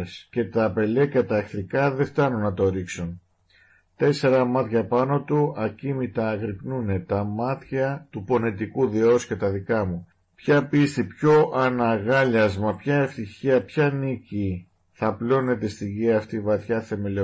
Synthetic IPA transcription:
sce̞t̪ɐpe̞lecɐt̪ɐexθɾikɐðe̞ft̪ɐnunːɐt̪o̞ɾiksun | t̪e̞se̞ɾɐmɐt̪çɐpɐno̞t̪uɐcimit̪ɐːɣɾipnune̞t̪ɐmɐt̪çɐt̪upo̞net̪ikuðiosce̞t̪ɐðikɐmu | pçɐpist̪ipço̞ʔɐnɐɣɐʎɐzmɐpçɐe̞ft̪içiɐpçɐnici | θɐplo̞ne̞t̪e̞st̪iʝiɐːft̪ivɐθçɐθe̞meli

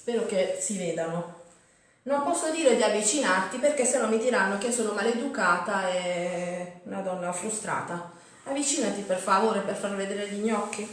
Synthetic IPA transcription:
spɛːɾok̟esivɛːd̪ano | nompɔsːod̪iːɾed̪iavːit͡ʃinart̪iperkesːenːɔmːid̪iɾanːok̟esoːnomaled̪ukaːt̪aɛ | unad̪ɔnːafɾust̪ɾa̰ːt̪a | avːit͡ʃiːnat̪iperfavoːɾeperfarved̪eːɾeʎiɲːɔkːi

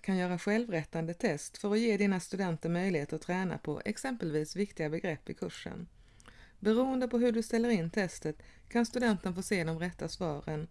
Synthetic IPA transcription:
kʰanjœːɾaɧɛlvɾɛt̪ːand̪ət̪ʰɛst̪fœɾɔjeːd̪iːnast̪ɵd̪ɛnt̪əɾmœjlɪheːt̪əɾɔt̪ʰɾɛːna̰pʰɔ̰ʔɛ̰ksɛmpəlviːsvɪkt̪ɪɡabɛɡɾɛpːɪkʰɵʂə̰n | bɛɾuːənd̪əpʰɔɦɵɖɵst̪ɛlːəɾɪnt̪ʰɛst̪ət̪kʰanst̪ɵd̪ɛnt̪ənfoːseːɪd̪ɔmɾɛt̪ʰːasvɑːɾən

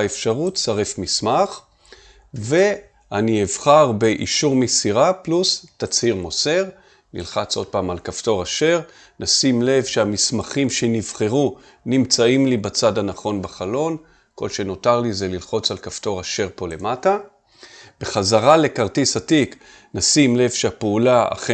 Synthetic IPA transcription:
efʃaʁutsaʁe̞fmismaχ | ve̞ | anievχaʁbeʔiʃuʁmisiʁaplustat͡shiʁmo̞se̞ʁ | nḭlχat͡so̞d̚paːmalkafto̞ʁaʃe̞ʁ | nasimle̞vʃeamismaχimʃenivχe̞ʁu | nimt͡saimlibat͡sadhanaχo̞nbaχalo̞n | ko̞̰lʃe̞no̞taʁlizelilχo̞t͡salkafto̞ʁaʃe̞ʁpo̞le̞mata | b̥e̞χazaʁale̞kaʁtisatik | nasimle̞vʃeapeulaa̰χe

